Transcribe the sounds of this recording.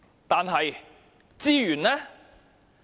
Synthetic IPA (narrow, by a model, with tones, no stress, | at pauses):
t̪aː˨nɦɐ˨j | t͡siː˥jyː˨˩nɛː˥